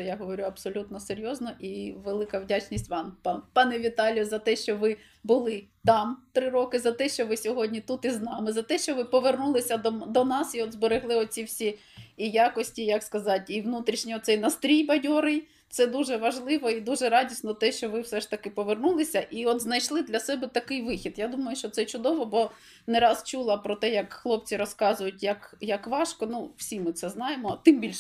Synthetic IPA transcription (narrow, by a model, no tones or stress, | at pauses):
jaɦɔʋɔɾʲuɐbsɔlʲut̪nɔseɾʲjɔznɔʔiʋelˠɪkɐwdʲat͡ʃnʲisʲtʲʋɑmppɑnɛʋʲit̪ɑlʲjɔzɐt̪ɛʃt͡ʃɔʋɪ | bʊlˠɪt̪ɑmt̪ɾɪɾɔkɪzɐt̪ɛʃt͡ʃɔʋɪsʲɔɦɔdʲnʲit̪ut̪iznɑmɪzɐt̪ɛʃt͡ʃɔʋɪpɔʋernulˠɪsʲɐd̪ɔd̪ɔnɑsiɔd̪zbeɾeɦlˠɪɔsʲiwsʲi | ijɑkɔsʲtʲijɐkskɐzɑtʲiʋnut̪ɾʲiʃnʲiɔt̪sɛjnɐst̪ɾʲijbɐjʲɔɾɪj | t̪sɛd̪uʒɛʋɐʒlˠɪʋɔid̪uʒɛɾɑdʲisʲnɔt̪ɛʃt͡ʃɔʋɪwsɛʃt̪ɐkɪpɔʋernulˠɪsʲɐʔiɔt̪znɐjʃlˠɪd̪lʲɐsɛbɛt̪ɐkɪjʋɪxʲid̪jad̪umɐjʊʃt͡ʃɔt̪sɛt͡ʃʊd̪ɔʋɔbɔ | neɾɑst͡ʃulˠɐpɾɔt̪ɛjɐkxlˠɔp̚t͡sʲiɾɔskɑzʊjʊt̚ʲjɐkjɐkʋɑʃkɔnuw̥sʲimɪt̪sɛznɑjemɔt̪ɪmbʲilʲʃ